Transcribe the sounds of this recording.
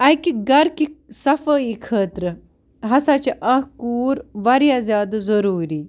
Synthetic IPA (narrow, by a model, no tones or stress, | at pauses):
ɐjkiɡɐɾkisɐfəːikʰəːt̪ɾɨ | ɦɐsat͡ʃiʔɐɦkuːɾʋɐɾjazʲjaːd̪zɐɾuːɾi